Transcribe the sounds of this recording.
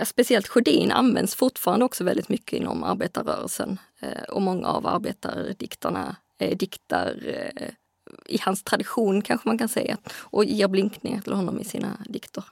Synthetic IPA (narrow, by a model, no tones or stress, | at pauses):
jɑspɛsɪɛlt̪ɧʊd̪iːna̰nvɛnd̪sfʊɾʈfɑːɾand̪əɔksɔvɛld̪ɪt̪mʏkːəɪnːɔmaɾbeːt̪aɾœːɾəlsən | ɔmɔŋːaːvaɾbeːt̪aɾd̪ɪkt̪əɳa | d̪ɪkt̪aɾ | ɪhanst̪ʰɾad̪ɪɧuːnkʰanɧəmankansɛjaʔɔjeːɾblɪŋknɪŋat̪ʰɪlhɔnːɔmʔɪsiːnad̪ɪkt̪ʊɾ